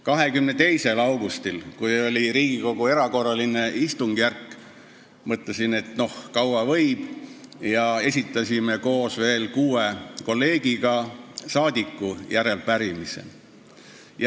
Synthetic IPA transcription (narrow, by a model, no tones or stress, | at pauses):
kɑɦe̞kymne̞t̪e̞jse̞lɑwɡ̥ust̪ilkujo̞lʲiɾiːɡ̥iko̞ɡ̥ue̞ɾɑko̞rːɑline̞ist̪uŋɡ̥jærkːˑ | mɤt̪ˑlesine̞t̪no̞hkɑwwɑvɤjb̥jɑe̞s̬ʲit̪ːˑɑsʲime̞ko̞ːsve̞ːlkuːe̞ko̞lːe̞ːɡ̥iɡ̥ɑsɑːd̪ikːˑujæɾe̞lpæɾimise̞̰ | j